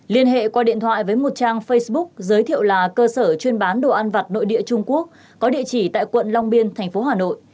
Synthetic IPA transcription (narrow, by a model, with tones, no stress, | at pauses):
li˧ənɦḛ˧˨kwaː˧ɗḭ˧˨ənt̪ʰwa̰ː˧˨jvəː˨˦jmo˨˩t̚t͡ɕaː˧ŋfə˧jsɓʊ˦˥k̚zəː˨˦jt̪ʰḭ˧˨əwlaː˨˩kəː˧səː˧˩t͡ɕwi˧ənɓaː˨˦nɗo˨˩ʔaː˧nva˨˩t̚no̰˧˨jɗḭ˧˨ət͡ɕʊ˧ŋ͡mku˦˥ək̚ːɔ˨˦ɗḭ˧˨ət͡ɕi˧˩t̪a̰ː˧˨jkwə̰˧˨nla˧wŋ͡mɓi˧ənt̪ʰɛ˨˩ŋ̟fo˨˦ɦaː˨˩no̰˧˨jʔ